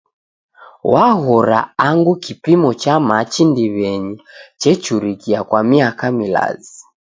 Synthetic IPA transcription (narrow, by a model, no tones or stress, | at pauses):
waɣɔɾa̰aŋɡukipimɔt͡ʃamat͡ʃindiβɛɲit͡ʃɛt͡ʃuɾikiakwamiakamila̰zi